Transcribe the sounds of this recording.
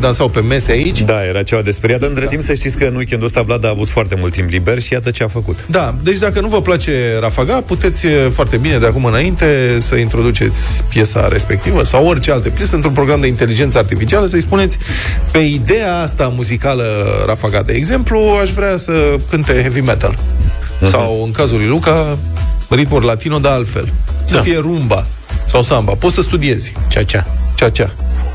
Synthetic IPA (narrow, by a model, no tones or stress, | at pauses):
d̪ansawpe̞me̞seait͡ʃʲd̪aje̞ɾat͡ʃevad̪espeɾiat̪əɨnt̪ɾet̪impsəʃt̪it̪sʲkənwikʲend̪ost̪ablad̪aːvut̪foart̪e̞mult̪ːimpliberʲʃijat̪ət͡ʃeafəkut̪d̪ad̪e̞t͡ʃʲd̪akənuvəplat͡ʃe̞ɾafaɡaput̪e̞t̪sʲəfoart̪e̞bine̞d̪eakumɨnaint̪e̞səint̪ɾo̞d̪ut͡ʃe̞̰t̪sʲpje̞sa̰ɾe̞spe̞k̚t̪ivəsaworʲt͡ʃe̞alt̪epje̞səɨnt̪ɾumpɾo̞ɡɾamd̪eint̪e̞lid͡ʒe̞ntsəart̪ifit͡ʃialəs̬əispune̞t̪sʲ | pe̞id̪e̞aast̪amuzikaləɾʔa̰faɡad̪ḛḛɡze̞mpluaʃvɾeasəkɨnt̪e̞hevimet̪a̰l | sawɨŋkazulujluka | rit̪murlat̪inod̪ealt̪fe̞̰lsəfije̞ɾumba | sawsambapo̞t̪səst̪ud̪ie̞z̥ʲt͡ʃat͡ʃat͡ʃat͡ʃa